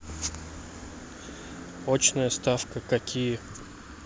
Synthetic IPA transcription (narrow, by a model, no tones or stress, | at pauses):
ot͡ɕnəjəst̪afkəkɐkʲijə